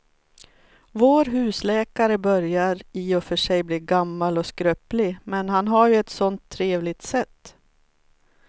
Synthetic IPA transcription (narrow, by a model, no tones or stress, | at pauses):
voːɾɦʉ̟ːslɛːkaɾəbœɾjaɾɪɔfœʂɛjbliːɾɡamːalɔskɾøːplɪmɛnɦanɦaɾjɵɛt̪sɔnt̪ʰːɾeːvlɪt̪sɛt̪ː